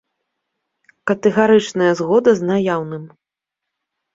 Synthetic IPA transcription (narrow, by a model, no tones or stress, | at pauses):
kɐt̪ɛɣaɾɨt͡ʂnɐjɐzɣɔd̪ɐznajawnɨm